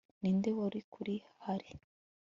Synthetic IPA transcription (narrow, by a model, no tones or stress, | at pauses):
nindewoɾikʰuɾihhaɾi